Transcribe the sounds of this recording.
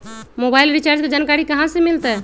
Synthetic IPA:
mobailɾit͡ʃaːɾd͡ʒked͡ʒankaɾikəɦãsemilt̪ɛ

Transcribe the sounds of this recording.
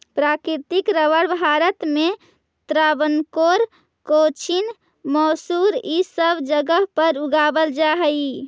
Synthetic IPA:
pɾakɾiɾt̪ikɾəʋəɽbʱaɾət̪me | t̪ɾaːbənkoɾ | kot͡ʃʰin | mɔːsuɾisəbʱd͡ʒəɡəɦpəɾuɡaːbəld͡ʒaɦəi

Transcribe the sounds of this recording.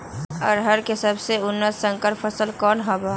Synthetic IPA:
ɔːɾɦəɾkesəbseʊnːəsːə̃ŋkəɾpʰəsəlkɔːnɦobaː

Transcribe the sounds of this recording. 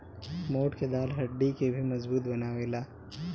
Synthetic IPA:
moːʈked̪aːlɦɐɖːikebʱimɐzbuːt̪bɐnaːʋeːlaː

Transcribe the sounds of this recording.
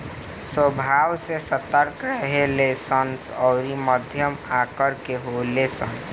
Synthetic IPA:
swəbʱaːwsesət̪əɾkɾəɦelesənsɔʊɾiməd̪ʱjəmaːkəɾkeɦolesən

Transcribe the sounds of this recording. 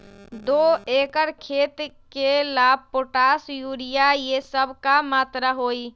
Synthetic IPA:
d̪oekəɾkʰet̪ | kelab̚poʈasjuɽijajesəbʱkamat̪ɾaɦoj

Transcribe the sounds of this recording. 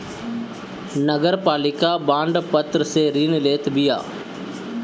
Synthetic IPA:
nəɡəɾpaːlɪkaːbãːɳɖpət̪ɾəseɾiːnleːt̪bɪja̰ː

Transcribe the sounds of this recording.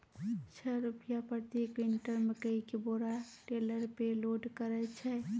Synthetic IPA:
t͡ʃʰəɾʊpjapəɾt̪ekʋɪɳʈəɾməkəikeboːɾaʈeləɾpeloːɖkəɾɛt͡ʃʰɛ

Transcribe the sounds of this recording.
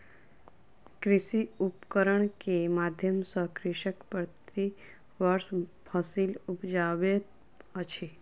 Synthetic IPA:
kɾɪsiupkəɾəɳkemad̪ʱjəmsəkɾɪʃəkpəɾt̪i | ʋəɾs | pʰəsilupd͡ʒaʋe | ət͡ʃʰe

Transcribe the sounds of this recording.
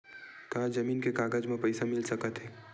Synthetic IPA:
kaɦd͡ʒɐmiːnkekaːɡəd͡ʒmẽpɐɪsamɪlsɐkət̪ɦɛː

